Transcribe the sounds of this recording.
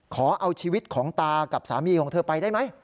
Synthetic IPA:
kʰɔː˩˦ʔa˧wt͡ɕʰiː˧wi˦˥t̪̚kʰɔː˩˦ŋt̪aː˧ka˨˩p̚sa̰ː˩˦miː˧kʰɔː˩˦ŋt̪ʰɤː˧pa˧jdaː˥˩jma˦˥j

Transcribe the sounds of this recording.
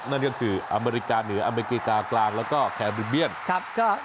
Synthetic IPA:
na˥˩nkɔː˥˩kʰɯː˧ʔa˧meː˧ɾi˦˥kaː˧nɯ˩˦ɐʔa˧me˧ɾi˦˥kiː˧˩kaː˧klaː˧ŋlɛː˦˥wkɔː˥˩kʰɛː˧bɾi˧bi˥˩ənkʰa˦˥p̚kɔː˥˩

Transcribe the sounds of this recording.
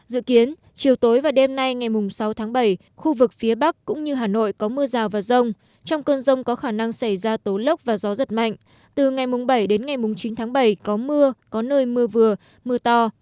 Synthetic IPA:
zɨ̰˧˨ki˨˦ən | t͡ɕi˨˩əwt̪o˨˦jvaː˨˩ɗe˧mna˧jŋa˨˩jmʊ˨˩ŋ͡msa˨˦wt̪ʰaː˨˦ŋɓə˧˩j | xu˧vɨ˨˩k̚fi˨˦əɓa˦˥k̚kːʊ̰˧˥ŋ͡mɲɨ˧ɦaː˨˩no̰˧˨jkɔ˨˦mɨ˧əzaː˨˩wvaː˨˩zə˧wŋ͡m | t͡ɕɔ˧wŋ͡mkəː˧nzə˧wŋ͡mkɔ˨˦xaː˧˩na˧ŋsa˧˩jzaː˧t̪o˨˦lə˦˥wk͡p̚vaː˨˩zɔ˨˦zə˨˩t̚ma̰˧˨ŋ̟ | t̪ɨ˨˩ŋa˨˩jmʊ˨˩ŋ͡mɓə˧˩jɗe˨˦nŋa˨˩jmʊ˨˩ŋ͡mt͡ɕi˨˦nt̪ʰaː˨˦ŋɓə˧˩jkɔ˨˦mɨ˧əkɔ˨˦nəː˧jmɨ˧əvɨ˨˩ə | mɨ˧ət̪ɔ˧

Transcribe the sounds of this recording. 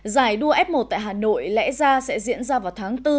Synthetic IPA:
zaː˧˩jɗu˧əʔɛ˦˥p̚mo˨˩t̚t̪a̰ː˧˨jɦaː˨˩no̰˧˨jlɛ̰˧˥zaː˧sɛ̰˧˥zḭ˧˥ənzaː˧vaː˨˩wt̪ʰaː˨˦ŋt̪ɨ˧

